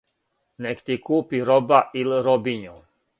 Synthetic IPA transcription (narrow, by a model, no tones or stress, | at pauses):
nɛkt̪ikuːpiɾobaʔilɾobiɲu